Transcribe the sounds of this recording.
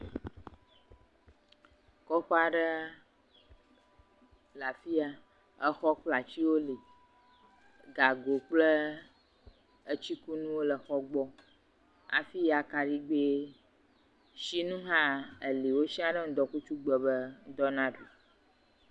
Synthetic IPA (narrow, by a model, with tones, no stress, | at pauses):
kɔ˦xɔ˦a˨ɖə˦ | la˨fi˦a˦ | ə˦xɔ˦k͡pla˨t͡ɕi˦wo˦li˨ | ɡa˨ɡo˨k͡plə˦ | ə˦t͡ɕi˦ku˦nũ˦wo˦lə˨xɔ˦ɡ͡bɔ˦ | a̰˨fi˦ja˨ka˨ɖi˦ɡ͡be˦ | ʃi˦nũ˦ɦã˦ə˨li˨wo˦si˦a˦ɖə˦ŋ̩˦d̪ɔ˨ku˦t͡ʃu˦ɡ͡bə˨bə˦d̪ɔ˦nã˦ɖu˨